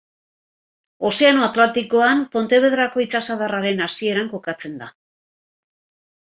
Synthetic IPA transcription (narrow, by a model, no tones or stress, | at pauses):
o̞se̞ano̞at̪lant̪iko̞ampo̞nt̪e̞βe̞ðɾako̞it͡sasaðaraɾe̞nasie̞ɾaŋko̞kat͡se̞nd̪a